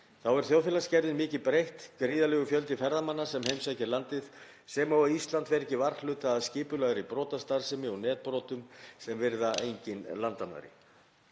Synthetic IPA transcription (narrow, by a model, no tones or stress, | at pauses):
θawɛɾ̥θjoːwfjɛːlascɛɾðɪnmɪːcɪpɾejht̪kɾiːðalɛːɣʏfjœlt̪ɪfɛɾðamanːasɛmhejmsajcɪlant̪ɪð | sɛmawaist̪lant̪vɛɾɛcːɪvaɾlʏːt̪aːðscɪːpʏlaɣɾipɾɔːt̪ast̪aɾ̥sɪmɪɔnɛːt̪̚pɾɔːt̪ʏmsɛmvɪɾðaejɲcɪnlant̪ama̰ɾɪ̰